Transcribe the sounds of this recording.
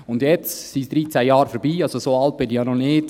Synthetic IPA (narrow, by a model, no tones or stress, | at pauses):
ʊndjɛt͡ssisd̥ɾiːt͡sæjɑːɾfəɾbiːɑlsosoːɑlt̚b̥ɪnijɑːnonɪːd̥